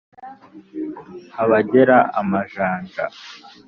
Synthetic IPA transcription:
haβaɟeɾaʔamaʒaːŋɡa

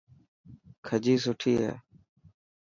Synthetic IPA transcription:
kʰəd͡ʒiːs̬ʊʈʰiːɦɛ̰ː

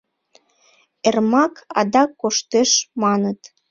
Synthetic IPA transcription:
ermɑkɑ̰d̪ɑkːoʃt̪eʃmɑnət̪

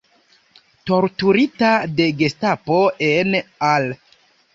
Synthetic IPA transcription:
to̞ɾtuɾitade̞ɡe̞stapoenal

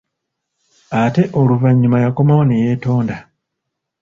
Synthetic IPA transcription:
ate̞ʔo̞luvaɲːumajako̞mawoneje̞ːto̞ːnda

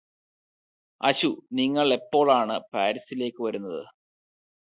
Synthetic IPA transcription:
ɐ̰ɕuniŋːɐɭe̞pːo̞ːɭaːɳɨpaːɾisile̞ːkʲːɨʋɐɾunːɐðɨ̰

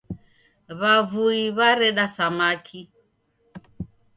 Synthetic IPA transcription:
βavuiβaɾɛɗasamakʰi

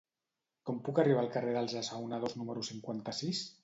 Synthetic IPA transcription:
kompukariβaːlkareðalˠzasawnaðoznuməɾusiŋkwant̪asis

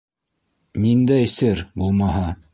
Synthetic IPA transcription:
nind̪æjsɘɾbulˠmɑɦɑ

